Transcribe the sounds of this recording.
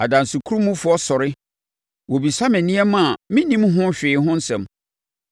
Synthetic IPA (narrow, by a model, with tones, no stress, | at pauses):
a˨dã˨n˨sʊ˨kʰu˦ɾu˦mũ˦fʊ˨ɔ˦sɔ˨ɾɪ˦ | wo˨bi˨sa˦mɛ̃˨nĩ˦ɛ˦mã˨mɪ̃˦nĩ˦mɦʊ̃˦ɕᶣɪː˨ɦʊ̃˦n̩˦sɛ̰̃˨m